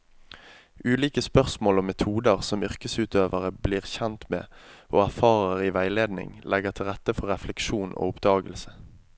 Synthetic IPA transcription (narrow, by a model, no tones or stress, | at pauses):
ʉːliːkəspœʁsmoːlɔmːɛt̪ʰuːd̪əʁsɔmʏʁkəsʉːt̪øːʋəʁəbliːʁçɛnt̪mḛːʔoːæʁfɑːʁəʁiːʋæɪleːd̪nɪ̰ŋlʔɛɡəʁt̪ʰɪlʁɛt̪ːəfɔʁɛflɛkʃuːnʔo̰ːʊpd̪ɑːɡəlsə